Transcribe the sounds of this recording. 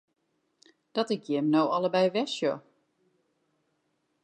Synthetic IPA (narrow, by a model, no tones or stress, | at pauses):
d̥ɔtɪkjɪmnowɔlˠəbɛjʋɛsjo